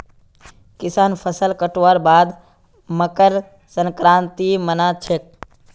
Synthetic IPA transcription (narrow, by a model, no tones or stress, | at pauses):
kɪsaːnpʰəsəlkəʈoʋaɾbaːd̪ | məkəɾ | səŋkɾãːnt̪imənat͡ʃʰek̚